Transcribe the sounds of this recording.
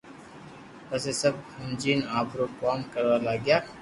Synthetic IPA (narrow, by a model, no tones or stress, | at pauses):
pəsesəbhʊmd͡ʒiːnaːpɾokaːmkəɾʋalaɡɪjaː